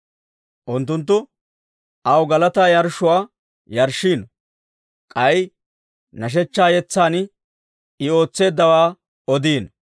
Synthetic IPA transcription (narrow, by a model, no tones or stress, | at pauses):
ʔʊnt̪̬ːʊnt̪̬ːʊ | ʔɐwɡɐlɐt̪aːjɐɾʃʊwaː | jɐɾʃiːn | kʼɐj | nɐʃ̬ɛt͡ʃːaːjɛt͡sːaːn | ɪo̞ːt͡sːe̞ːd̪ːɐwaː | ɔd̪iːn